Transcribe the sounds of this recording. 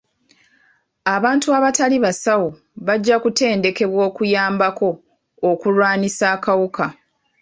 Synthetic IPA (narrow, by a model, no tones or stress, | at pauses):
aβaːntuaβataliβasawo | βaɟːakute̞ːnde̞ke̞βwo̞ːkujaːmbako̞ː | kulwaːnisaːkawuka